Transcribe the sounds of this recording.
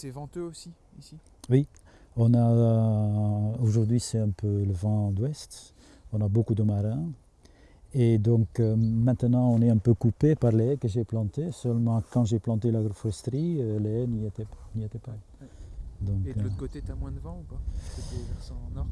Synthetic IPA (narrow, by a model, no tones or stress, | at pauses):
sɛvɑ̃t̪øosi | isi | wi | ɔ̃na | oʒuʁd̪ɥisɛtɛ̃pʰøləvɑ̃d̪wɛst̪ | ɔ̃nabokud̪əmaʁɛ̃ | ed̪ɔ̃kømɛ̃t̪ənɑ̃ɔ̃nɛɛ̃pøkupepaʁleɛkəʒeplɑ̃t̪esœlmɑ̃kɑ̃ʒeplɑ̃t̪elaɡɾofʁɛst̪ʁiøleniet̪ɛniet̪ɛpa | d̪ɔ̃kkot̪et̪amwɛ̃d̪əvɑ̃upaktevɛʁsɑ̃nɔʁ